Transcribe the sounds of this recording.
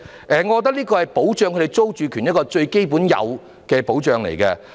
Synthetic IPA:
ʔɛː˨ŋɔ˨˧kɔ˨˧t̪ɐ˥k̚liː˥kɔː˧hɐ˨jpo˨˥wt͡ʃœː˨˧ŋkʰɵ˧e˨jt͡so˥wt͡ʃyː˨˧kʰyː˨˩njɐ˥tkɔː˧t͡ʃɵ˧ɥke˥jp̬uː˨˥njɐ̰˨˧w | kɛː˧po˨˥wt͡ʃœː˨ŋlḛ˨˩jkɛ˧

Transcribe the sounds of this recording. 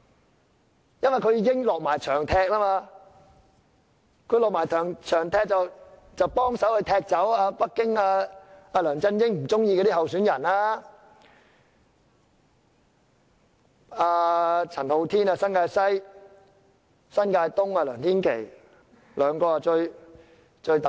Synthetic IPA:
jɐ˥nʋɐ˨˩jkʰɵ˨˧jiː˨˧kɪ˥ŋlɔː˨k̚maː˨˩jt͡ʃʰœː˨˩ŋt̪ʰɛː˧k̚laː˥maː˧ | kʰɵ˨˧ɥlɔː˨k̚maː˨˩jt̪ʰœː˨˩ŋt͡ʃʰœː˨˩ŋt̪ʰɛː˧k̚t͡sɐ˨w | t͡sɐ˨˧wpɔː˥ŋsɐ˨˥whɵ˨˧t̪ʰɛː˧k̚t͡sɐ˨˥waː˧pɐ˥kːɪ˥ŋaː˧aː˧lœː˨˩ŋt͡sɐ˧njɪ˥ŋm̩˨˩t͡sʊ˥ŋjiː˧kɛː˧t̪iː˥hɐ˨wsyː˨˥njɐ˨˩naː˦˥ | aː˧t͡sʰɐ˨˩nho˧wt̪ʰiː˥naː˧sɐ˥nkaː˧jsɐ˥j | sɐ˥nkaː˧jt̪ʊ˥ŋaː˧lœː˨˩ŋt̪ʰiː˥nkʰḛ˨˩j | lœː˨˧ŋkɔː˧a˧t͡ʃɵ˧ɥ | t͡ʃɵ˧ɥt̪

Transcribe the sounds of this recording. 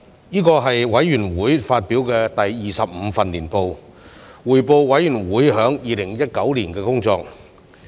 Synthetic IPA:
niː˥kɔː˧ɦɐ˨jwɐ˨˥jɥyː˨˩nwuː˨˥jfaː˧t̚piː˨˥wkɛː˧t̪ɐ˨jːiː˨sɐ˨p̚m̩ː˨˧˥fɐ˨nliː˨˩npo˨˧w | wuː˨˩jpo˨˧wwɐ˨˥jy˨˩nwuː˨˥jɦœː˨˥ŋjiː˨lɪ˨˩ŋjɐ˥t̚kɐ˨˥wliː˨˩nkɛː˧kʊ˥ŋt͡sɔː˧k̚

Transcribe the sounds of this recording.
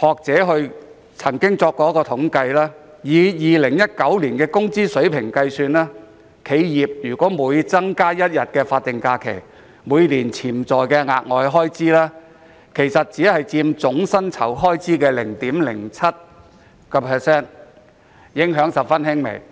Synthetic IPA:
hɔː˨k̚t͡sɛː˨˥ɦɵ˧ɥ | t͡sʰɐ˨˩ŋkɪ˥ŋt͡sɔː˧kːɔː˧˥kɔː˧t̪ʰʊ˨˥ŋkɐ˧jlaː˥ | jiː˨˧jiː˨lɪ˨˩ŋjɐ˥t̚kɐ˨˥wliː˨˩nkɛː˧kʊ˥ŋt͡siː˥sɵ˨˥ɥpʰɪ˨˩ŋkɐ˧jsyː˧nlaː˥ | kʰe˨˧jjiː˨˩p̚jyː˨˩kʷɔː˨˥muː˨˧jt͡sɐ˥ŋkaː˥jɐ˥t̚jɐ˨t̚kɛː˧faː˧t̚t̪ɪ˨ŋkaː˧kʰḛ˨˩j | muː˨˧jliː˨˩nt͡sʰiː˨˩mt͡sɔː˨jkɛː˧ŋa̰ː˨t̚ŋɔː˨˧jɦɔː˥jt͡siː˥laː˥ | kʰe˨˩jsɐ˨t̚t͡siː˨˥hɐ˨jt͡siː˧mt͡sʊ˨˥ŋsɐ˥nt͡sʰɐ˨˩wɦɔː˥jt͡siː˥kɛː˧lɪ˨˩ŋt̪iː˨˥mlɪ̰˨˩ŋt͡sʰɐ˥t̚ | kɐ˧pʰɛː˨sɛː˥n | jɪ˨˥ŋɦœː˨˥ŋsɐ˨p̚fɐ˥nhɪ˥ŋmḛ˨˩j

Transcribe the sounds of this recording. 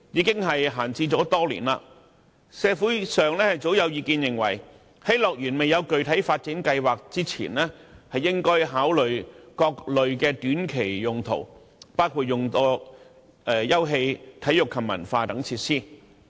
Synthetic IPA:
jiː˨˧kɪ˥ŋɦɐ˨jɦaː˨˩nt͡siː˧t͡sɔː˨˥t̪ɔː˥lḭː˨˩nla̰ː˧ | sɛː˧fuː˨˥jsœː˨ŋlɛː˥hɐ˨jt͡so˨˥wjɐ˨˧wjiː˧kiː˧njɪ˨˩ŋwɐ̰˨˩j | hɐ˨˥jlɔː˨k̚jyː˨˩nme˨jɐ˨˧wkɵ˨ɥt̪ʰɐ˨˥jfaː˧t̚t͡siː˨˥ŋkɐ˧jwaː˨k̚t͡siː˥t͡sʰḭː˨˩nlɛː˥hɐ˨jːɪ˥ŋkɔː˥jɦaː˨˥wlɵ˨ɥkɔː˧k̚lɵ˨ɥkɛː˧t̪yː˨˥nkʰe˨˩jjʊ˨ŋt̪ʰo̰˨˩w | paː˥wkʰuː˨˧t̚jʊ˨ŋt̪ɔː˧ | ɛː˨˩jɐ˥wɦe˧jt̪ʰɐ˨˥jʊ˨kʰːɐ˨˩m̚ɐ̰˨˩nfaː˧t̪ɐ˨˥ŋt͡sʰiː˧t̚siː˥

